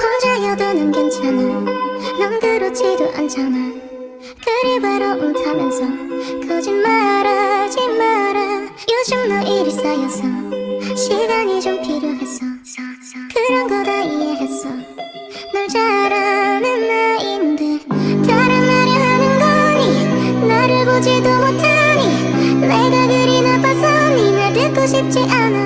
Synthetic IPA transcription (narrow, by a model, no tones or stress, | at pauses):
kʌŋd͡ʑajʌd̪ʌnɯnɡʌnt͡ɕʰamaɭnʌmɡɯɾot͡ɕʰidoʔa̰nt͡ɕʰamaɭ | kɯɾibaɾʌʔotʰamjʌnsʰʌkʌd͡ʑinmaɾad͡ʑinmaɾa | jod͡ʑimnʌʔeɾisajʌsʰʌɕʰiɡaɲid͡ʑompʰiɾjoɦes͈ʌ | ʌ | kɯɾʌnɡʌd̪aijeɦes͈ʌ | naɭd͡ʑaɾanɯnːainndɯkjaɾanmaɾiɦanɯnɡʌɲinaɾɯɭɡod͡ʑid̪omotʰaɲi | meɡaɡɯɾinapʰasʌ | ninaɭdɯk͈oɕʰip̚t͡ɕ͈iʔanɯ